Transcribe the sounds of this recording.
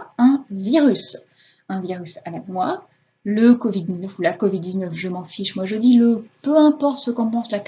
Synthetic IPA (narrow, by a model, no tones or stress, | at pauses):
ɛ̃viʁys | ɛ̃viʁysavɛkmwa | ləkɔvid̪̚ːiznəfulakɔvid̪ːiznœfʒəmɑ̃fiʃmwaʒəd̪iləpøɛ̃pɔʁt̪səkɔ̃pɑ̃slak